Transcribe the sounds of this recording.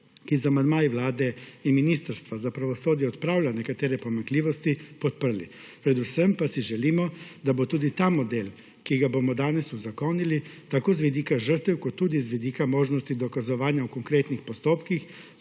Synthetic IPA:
kizamand̪maːjiʋlaːd̪ɛinminiːst̪aɾst̪ʋazapɾaʋɔsoːd̪jɛɔt̪pɾaːwlanɛkat̪eːɾɛpomaŋkliːʋɔst̪ipɔt̪̚pər̩lḭ | pɾɛd̪usɛmpasiʒɛliːmɔd̪abot̪uːd̪it̪aːmɔd̪eːl | kiɡabomɔd̪aːnɛsuzakoːnilit̪akoːzʋid̪iːkaʒəɾt̪ɛwkɔt̪ːuːd̪izʋid̪iːkamoːʒnɔst̪id̪ɔkazɔʋaːnjaukoŋkɾeːt̪nixpɔst̪oːpkix

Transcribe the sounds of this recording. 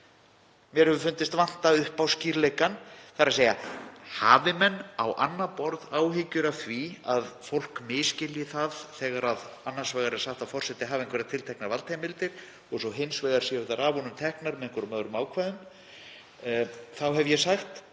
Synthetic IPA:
mjɛɾ̥hɛvʏɾfʏnt̪ɪst̪van̥t̪aʏhpawsciːɾlejkanθaɾaseːjahaːvɪmɛnːawʔa̰nːapɔɾðaːwɦɪcʏɾaθviaðfowl̥kmɪːscɪljɪθaðθɛːɣaɾaðanːansvɛːɣaɾɪ̥saxt̪afɔr̥sɛht̪ɪɦaːveŋkʰvɛɾat̪ʰɪlt̪ʰɛknaɾvalt̪ʰɛjmɪlt̪ɪɾ̥ | ɔɣsɔɦɪnsvɛːɣaɾ̥siʏθaɾavɔnʏmt̪ʰɛhknaɾmɛðɪŋkvʏɾʏmœðɾʏmaːwkʰvaðʏn | θawɦɛvjɛsaxt̪

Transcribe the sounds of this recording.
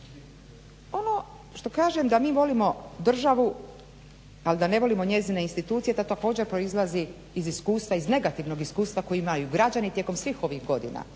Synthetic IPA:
o̞no̞ | ʃt̪o̞kaːʒemd̪amiːʋo̞limo̞d̪r̩ʒaʋu | alid̪ane̞ʋo̞limo̞ɲe̞zineinst̪it̪ut̪sije̞t̪at̪ako̞ːd͡ʑe̞ɾpɾo̞izlˠaziː | ziskuːst̪ʋaizne̞ɡat̪iʋno̞ɡiskuːst̪ʋakojiimajuɡɾad͡ʑanit̪je̞ko̞msʋixo̞ʋiɣɡo̞d̪ḭna̰

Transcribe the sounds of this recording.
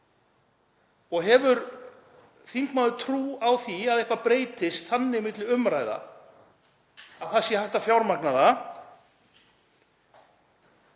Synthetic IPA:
ɔɣɦɛvʏɾ | θiŋkmaðʏt̪ʰɾuːawθiaðɛhkvapɾeːjt̪ɪst̪θanːɪɪmɪt̪lɪʏmɾajða̰ | aθasjɛhajht̪afjawɾmaknaða

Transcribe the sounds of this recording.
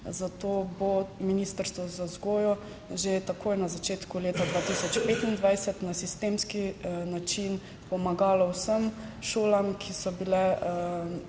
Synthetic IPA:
zat̪oːbominiːst̪əɾst̪ʋɔzazɡoːjɔ | ʒet̪akoːjnazat͡ʃeːt̪kuleːt̪ad̪ʋaːt̪isɔt͡ʃpeːt̪ind̪ʋajsət̪nasist̪eːmskinat͡ʃin | pɔmaɡaːlɔwsəmʃoːlamkʰisɔbilɛ

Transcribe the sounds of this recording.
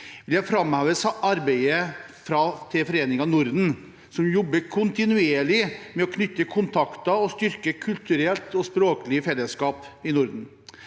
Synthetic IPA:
ʋɪljæɪfɾɑmhɑːʋəsɑɾbeɪəfɾɑt̪ʰɪfɔɾeːnɪŋɑnʊɾd̪n̩ | sɔmjɔbːəkʰʊnt̪ɪnʉeːɭɪmɛɔkʰnʏt̪ːəkʰʊnt̪ʰɑkt̪ɑɔst̪ʏɾkəkʰʉlt̪ʉɾɛlt̪ɔspɾoːkəlɪəfɛlːəskɑːpɪnʊɾd̪n̩

